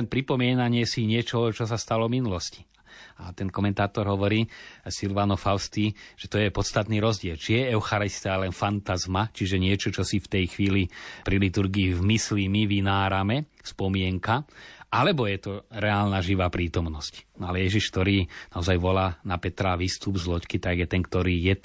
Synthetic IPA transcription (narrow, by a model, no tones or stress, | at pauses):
ɛnpɾipɔmɪɛnaɲɪɛsiɲɪɛt͡ʃɔɦɔt͡ʃɔs̬ast̪alɔvminulɔsci̥ | at̪ɛnkɔmɛnt̪aːt̪ɔɾɦɔʋɔɾiːsilʋanɔfaʊst̪iːʒ̥ɛt̪ɔjɛpɔt̪st̪at̪niːɾɔzɟɪɛlt͡ʃijɛɛʊxaɾist̪ɛalɛnfant̪azmat͡ʃiʒɛɲɪɛt͡ʃɔt͡ʃɔsift̪ɛjxʋiːlipɾilit̪uɾɡiːvmislimiʋinaːɾamɛspɔmɪɛŋkaalɛbɔjɛt̪ɔɾɛaːlnaʒiʋaːpɾiːt̪ɔmnɔscnɔalɛjɛʒiʃk̚t̪ɔɾiːnaɔzajʋɔlaːnapɛt̪ɾaʋiːst̪ubzlɔckit̪aɡjɛt̪ɛnkt̪ɔɾiːjɛ